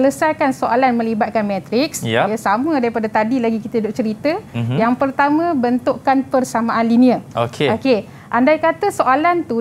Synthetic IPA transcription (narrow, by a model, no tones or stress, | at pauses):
ələsajkansoʔalanmə̃libat̪̚kanmɛ̃t̪ɾɪksjasamə̃daɾipadat̪adilaɡikit̪əidoʔt͡ʃəɾit̪əjaŋpərt̪amãbənt̪uʔkanpərsamãʔanliniəo̰keoke | ʔandajkat̪əsoʔalant̪u